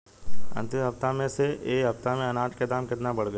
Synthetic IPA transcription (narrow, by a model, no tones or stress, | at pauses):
ɐ̰̃nt̪ɪ̃mɦɐpt̪amẽseeːɦɐpt̪amẽɐnaːʈʰked̪aːmkɪt̪nabɐɽɡə